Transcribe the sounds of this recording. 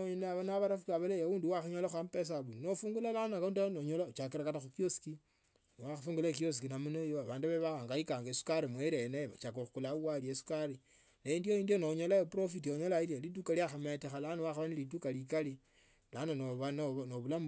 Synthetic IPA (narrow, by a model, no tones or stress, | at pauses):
oɲonaβanaβaɾafukaβalejawuːndiwaxuɲolaxampes̬aβunnofuːŋɡulalanakːndanoɲolat͡ʃakeɾakataxukjosi̥ki | nwaxafuːŋɡulekjos̬ikinamunojoaβaːnduβeβaaŋɡajikaːŋɡesu̥kaɾimweɾenaβat͡ʃakoxukulauwaljesu̥kaɾi | neiːndioiːndijonoɲolaopɾofitioɲolailialit̬ukaljaxamatixalanowaxaβanilit̬ukalikali | lananoβanonoβulam